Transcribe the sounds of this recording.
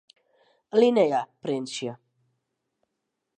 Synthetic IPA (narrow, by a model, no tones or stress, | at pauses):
linejapɾenʃia